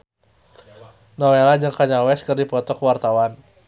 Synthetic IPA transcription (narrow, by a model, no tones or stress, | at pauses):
nɔwelad͡ʒaŋkaɲalwɛskɨrdipɔt̪ɔkwart̪awan